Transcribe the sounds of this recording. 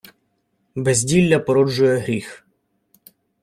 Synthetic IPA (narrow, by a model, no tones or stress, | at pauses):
bɛzʲdʲilʲːɐpɔɾɔd͡ʒʊjɛɦɾʲix